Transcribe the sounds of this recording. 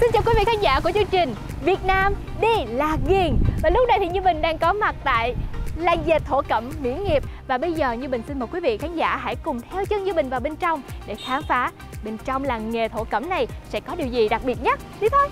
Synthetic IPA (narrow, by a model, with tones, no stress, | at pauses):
si˧nt͡ɕaː˨˩kwi˨˦vḭ˧˨kʰaː˨˦nza̰ː˧˥ku˧˩ət͡ɕɨ˧əŋt͡ɕï˨˩ŋ̟ | vi˨˩ət̚naː˧m | ɗi˧laː˨˩ɣi˨˩əŋvaː˨˩lʊ˦˥k͡p̚na˧jt̪i˨˩ɲɨ˧mï˨˩ŋ̟ɗaː˧ŋkɔ˨˦ma˨˩t̚t̪a̰ː˧˨jla˨˩jŋ̟ze˨˩t̚t̪ʰo̰˧˨kə˧˩mmḭ˧˥ənŋi˨˩əp̚vaː˨˩ɓə˧jzəː˨˩ɲɨ˧ɓï˨˩ŋ̟si˧nməː˨˩t̚kwi˨˦vḭ˧˨kaː˨˦nza̰ː˧˥˨ɦa̰˧˥jkʊ˨˩ŋ͡mt̪ʰɛ˧wt͡ɕɨ˧ŋɲɨ˧ɓï˨˩ŋ̟vaː˨˩wɓe˧nt͡ɕɔ˧wŋ͡mɗe˧˩xaː˨˦ŋfaː˨˦ | ɓe˧nt͡ɕɔ˧wŋ͡mlaː˨˩ŋe˨˩t̪ʰo̰˧˨kə̰˧˩mna˨˩jsɛ̰˧˥kɔ˨˦ɗi˨˩əwzi˨˩ɗa˨˩k̚ɓi˨˩ət̚ɲə˦˥t̚ɗi˨˦t̪ʰə˧j